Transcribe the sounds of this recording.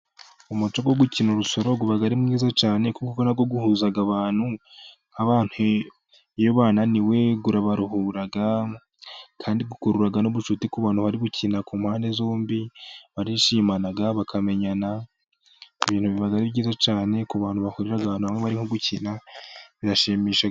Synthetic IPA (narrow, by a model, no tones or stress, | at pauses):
umut͡ʃoɡwoɡucinuɾuso̞ɾo̞ɡuβaɡaɾimŋŋiːzat͡ʃaːne̞kukukonaɡoɡuhuːzaɡaβaːn̥hu | aβaːn̥hu | joβaːnaniwe̞ɡuɾaβaɾuhuɾaɡa | kʰaːndiɡukuɾuɾaɡanoβuʃutikuβaːn̥huβaɾiβucinakumhaːnde̞zo̞ːmbiβaɾiʃiːmanaɡaβakʰame̞ɲana | iβiːnhuβiβaɡaɾiβɟiːzat͡ʃaːne̞kuβaːn̥huβahuɾiɾaɡaβaːnhuamŋeβaɾiŋoɡucinaβidaʃemiːʃa